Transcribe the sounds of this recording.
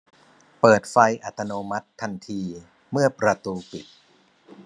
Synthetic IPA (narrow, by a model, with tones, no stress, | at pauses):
pɤː˨˩t̪̚fa˧jʔa˨˩t̪ːa˧noː˧ma˦˥t̪ʰːa˧nt̪ʰiː˧ | mɯ˥˩ɐpɾa˧t̪uː˧pi˨˩t̪̚